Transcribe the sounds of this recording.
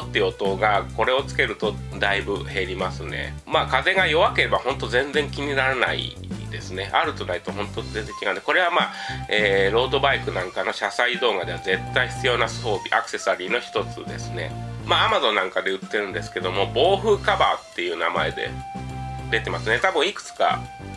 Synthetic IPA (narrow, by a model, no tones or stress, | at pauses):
t̪ːeɯot̪o̞ɡako̞ɾe̞o̞t͡sɨ̥ke̞ɾɯ̟t̪o̞ | d̪aibɯ̟he̞ɾʲimasɨne̞̰ | maːkaze̞ɡajo̞βake̞ɾe̞bahõ̞nt̪o̞zẽ̞nzẽ̞ŋkʲiɲ̟inaɾana̰ḭ | d̪e̞sɨne̞ʔa̰ɾɯ̟t̪o̞nait̪oɦõ̞nt̪oze̞nze̞ŋkʲiɡaɯ̃nd̪ekoɾe̞β̞amaːeːɾo̞ːd̪o̞baikɯ̟nãŋkano̞ɕasaid̪o̞ːɡad̪e̞βaze̞t̪ːaiçi̥t͡sɨjo̞ːnaso̞ːbʲiʔa̰kɯ̥se̞saɾʲiːno̞çi̥t̪o̞t͡sɨ̰d̪e̞̰sɨne̞̰maːamazõ̞nːãŋkad̪e̞ɯ̟t̪ːe̞ɾɯ̟̃nd̪esɨ̥ke̞d̪o̞mo̞bo̞ːɸɯ̟ːkabaːt̪ːe̞jɯ̟ːna̰ma̰e̞d̪e̞̰ | d̪e̞t̪e̞masɨne̞t̪abɯ̟̃ɰ̃ikɯ̟̥t͡sɨ̥ka̰